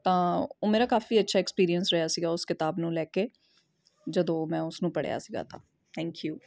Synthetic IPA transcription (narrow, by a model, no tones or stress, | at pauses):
t̪ãːoːmeːɾaːkaːfiːətːʃʰaːɛkspiːɾiənsɾɛɦjaːsiːɡaːʊskɪt̪aːbnũːlɛːkeː | d͡ʒəd̪õːmɛ̃ːʊsnũːpəɽja̰ːsiːɡa̰ːt̪ʰa̰ː | t̪ʰɛ̃ːŋkjuː